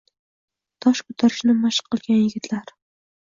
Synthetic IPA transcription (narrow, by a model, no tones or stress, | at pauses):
t̪ʰɒʃkʰɵ̥t̪ʰaɾɪʃnɪmaʃqʰːɨlˠɡʲanjɪɡʲɪt̪ʰlaɾ